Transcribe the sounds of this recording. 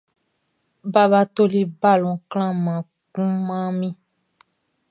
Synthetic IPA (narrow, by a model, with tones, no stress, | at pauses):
ba˦βa˦to˦li˦ba˦˨lɔ̃˨kl̃ã˦mã˨ | kũ˦mã˦mĩ˦